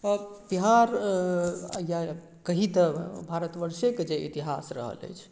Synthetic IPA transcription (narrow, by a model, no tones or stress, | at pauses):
biɦaɾ | ja | kəɦit̪əbʱaɾət̪ʋəɾseked͡ʒeḭt̪iɦasɾə̰ɦə̰lə̰jt͡ʃʰ